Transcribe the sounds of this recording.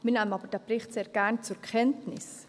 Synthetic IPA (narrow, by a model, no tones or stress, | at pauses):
mɪnɛːmənɑːbəɾd̥ɛːbɾɪχtseːɾɡ̥ɛɾnt͡sʊɾkʰɛntnɪs